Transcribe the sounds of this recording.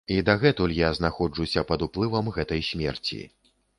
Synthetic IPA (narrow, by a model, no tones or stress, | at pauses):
id̪aɣɛt̪ulʲjaznaxɔd͡ʐusʲɐpɐd̪uplˠɨvɐmɣɛt̪ɐjsʲmʲɛ̰rt͡sʲḭ